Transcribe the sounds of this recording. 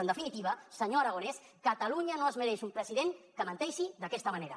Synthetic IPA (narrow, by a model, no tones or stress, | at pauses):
ənd̪əfinit̪iβ̞əsəɲoaɾaones | kət̪aluɲanoəzməɾɛʃumpɾəziðeŋkəmənt̪ɛʃiðəkɛst̪əmɐneɾɐ̰